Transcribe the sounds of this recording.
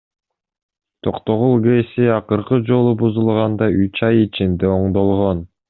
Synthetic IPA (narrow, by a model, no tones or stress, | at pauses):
t̪ʰo̞qt̪o̞ʁulˠɡesiɑqɯɾqɯd͡ʒo̞lˠubuzulˠʁɑnd̪ɑyt͡ʃɑjit͡ʃind̪eo̞ɴd̪o̞lˠʁon